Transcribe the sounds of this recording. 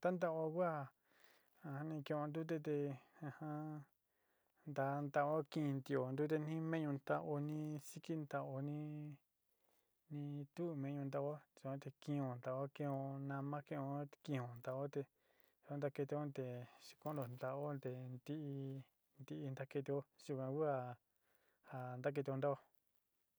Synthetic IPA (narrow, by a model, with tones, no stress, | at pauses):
t̪a˦nd̪a˦˧ʔo˧kʷa˦˨ | ã˧hã˧nĩ˧kĩ˧õ˧nd̪u˦t̪̬e˧t̪̬e˧ã˧hã˦ | nd̪a˧nd̪a˧o˦kĩ˧nt̪i˧o˨nd̪u˦t̪̬e˧nĩ˦mẽ˦ɲũ˧nt̪a˧ʔo˧nĩ˧si˦ki˦nd̪a˧ʔo˧nĩ˦ | nĩ˧t̪u˦˧mẽ˧ɲũ˧nd̪a˧o˦sõ˦t̪e˧kĩ˧õ˨nd̪a˧˨o˦kĩ˧õ˧nã˧mã˦kẽ˦˧õ˧˦˧kĩ˧˨õ˨nd̪a˨o˦t̪e˧ | so˧nd̪a˧ke˧t̪e˧õ˦nt̪e˨ʂi̥˧kõ˦ndo˨nd̪a˧o˦nd̪e˧˨nd̪i˦ʔi˧ | nd̪i˧ʔi˧nd̪a˦ke˧t̪i˧o˦su˧kã˧ku˦a˧˨ | ha˨nd̪a˦k̬e˧t̪i˧o˧nd̪a˦o˧